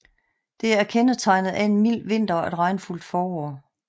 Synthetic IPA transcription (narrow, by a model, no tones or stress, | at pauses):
d̥e̝ææɐkʰenət͡sʰɑ̈ɪnð̩ˠʔæe̝nmil̰ʋe̝n̰d̥ɐed̥ʁɑ̈ɪnful̰d̥fɒːɒː